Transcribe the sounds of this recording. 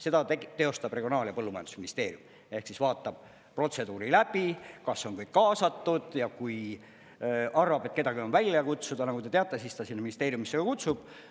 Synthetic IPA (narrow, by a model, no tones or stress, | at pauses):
se̞d̪ɑet̪e̞o̞st̪ɑb̥re̞ɡio̞nɑːljɑpɤlːumɑjɑnd̪usminist̪e̞ːɾijum | e̞hksisvɑːt̪ːˑɑb̥̚ | pro̞t̪se̞d̪uːɾilæb̥ikɑsːo̞nkɯjkkɑːsɑt̪ːud̪̥jɑkuj | ʔɑrvɑbe̞t̪̚ˑke̥ɑɡio̞nvælʲːjɑkut̪sud̪ɑnɑkut̪e̞t̪eɑt̪ːˑe̞sist̪ɑsinːeminist̪eːɾjumisːeɡɑkut̪sub̥